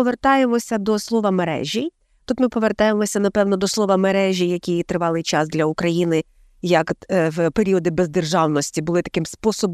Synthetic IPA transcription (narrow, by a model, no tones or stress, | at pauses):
ɔʋe̞rt̪ɑjemɔsʲɐd̪ɔslˠɔʋɐmeɾɛ̰ʒʲij | t̪ut̪mɪpɔʋe̞rt̪ɑje̞mɔsʲɐnɐpɛwnɔd̪ɔslˠɔʋɐmeɾɛʒʲijɐkʲijt̪ɾɪʋɑlˠɪjt͡ʃɑsd̪lʲɐʊkɾɐjinɪ | jɐkwpeɾʲiɔd̪ɪbezd̪erʒɑwnɔsʲtʲibʊlˠɪt̪ɐ̥kɪmspɔsɔb